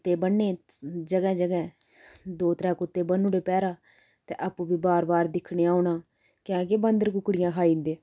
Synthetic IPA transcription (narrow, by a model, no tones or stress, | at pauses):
t̪eːbənːeːd͡ʒəɡɛːd͡ʒəɡɛ̃ː | d̪oːt̪ɾɛ̃ːkʊt̪ːeːbənːuɽeːpɛːɾaː | t̪eːʔaːpũːbiːbaːɾbaːɾd̪ɪkʰːɽeːaːʊnãː | kɛ̃ːkeːbə̃nd̪əɾkʊkːɽɪjãːkʰaːĩːnd̪ẽː